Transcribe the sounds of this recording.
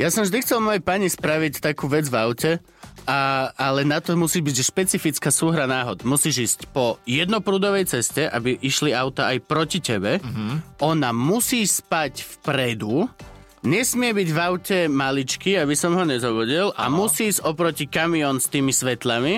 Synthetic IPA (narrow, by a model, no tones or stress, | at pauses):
jasɔmʒd̪ixt͡sɛlˠmɔjɛpaɲispɾaʋict̪akuːʋɛd͡zvaʊcɛ | aalɛnat̪ɔmusiːʒbiɟʃpɛt͡sifit͡skaːsuːɦɾanaːɦɔd̪musiːʒiːscpɔjɛd̪nɔpɾuːd̪ɔʋɛjt͡sɛscɛʔa̰biʔiʃliaʊt̪aajpɾɔcicɛbɛʔɔnamusiːspacfpɾɛd̪u | ɲɛsmɪɛbiɟvaʊcɛmalit͡ʃkiabisɔmɦɔɲɛzɔbuɟilʔa̰musiːzɔpɾɔcikamiɔnst̪iːmisʋɛt̪lami